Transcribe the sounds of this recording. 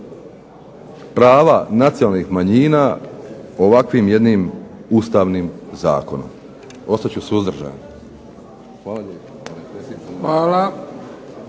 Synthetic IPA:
pɾaːʋanat̪siolnixmaɲiːna | o̞ʋakʋiːmje̞d̪niːmuːst̪aːʋniːmza̰ːko̞no̰m | o̞st̪at͡ɕusuzd̪r̩ʒa̰ːni | xʋaːlaʎepo | aːla

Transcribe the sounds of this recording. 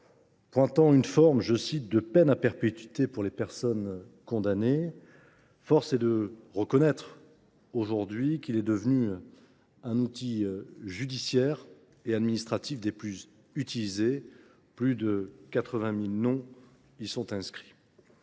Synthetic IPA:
pwɛ̃t̪ɑ̃ynfɔʁmʒəsit̪̚d̪əpɛnapɛʁpet̪ɥit̪epuʁlepɛʁsɔn | kɔ̃d̪ane | fɔʁsɛd̪əʁəkɔnɛt̪χ | oʒuʁd̪ɥikilɛd̪əvny | ɛ̃nut̪iʒyd̪isjɛʁ | ead̪minist̪χat̪ifd̪eplyz | yt̪ilize | plyd̪əkat̪χəvɛ̃milnɔ̃ | isɔ̃t̪ɛ̃skχi̥

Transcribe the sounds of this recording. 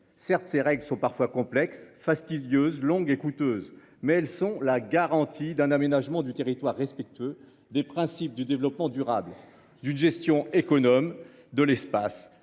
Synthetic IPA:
sɛʁt̪seʁɛɡlsɔ̃paʁfwakɔ̃plɛksfast̪id̪jøzlɔ̃ɡekut̪øz | mɛɛlsɔ̃laɡaʁɑ̃t̪ʰid̪ɛ̃namenaʒmɑ̃d̪yt̪eʁit̪waʁːɛspɛk̚t̪ɥø | d̪epχɛ̃sip̚d̪yd̪evlɔpmɑ̃d̪yʁabl | d̪ynʒɛst̪jɔ̃ekɔnɔm | d̪əlɛspas

